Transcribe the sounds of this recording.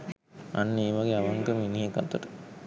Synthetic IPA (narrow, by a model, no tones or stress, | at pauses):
anːeːʋaɡeaʋaŋkəminiɦekat̪əʈə̥